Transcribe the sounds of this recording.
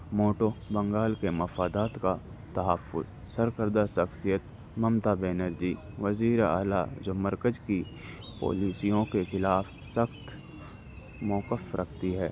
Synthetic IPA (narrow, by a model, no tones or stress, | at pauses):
moːʈobɐ̃ŋɡaːlkemɐfaːd̪aːt̪ka | t̪ɐɦəfːʊ̰z | sɐɾkəɾd̪aʃɐxsijət̪ | mɐmt̪abeːnəɾd͡ʒiː | ʋəziːɾa̰ːla̰d͡ʒoməɾkəd͡ʒki | po̰ːliːsijõkexɪlaːf | səxt̪ | mɔːkəfɾʔɐkʰt̪iɦɛː